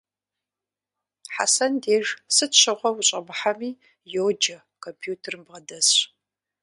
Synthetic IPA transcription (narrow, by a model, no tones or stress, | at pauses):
ħa̰sɐndeːʒsɨtɕɨʁʷɔwʊɕʼɐbɨħamiː | joːd͡ʒɐ | kʰompʰjuːtʰermbʁɐdɐs